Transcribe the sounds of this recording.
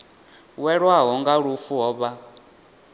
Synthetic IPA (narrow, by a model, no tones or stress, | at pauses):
wɛɺwaɦɔŋɡaɺufuɦɔːβa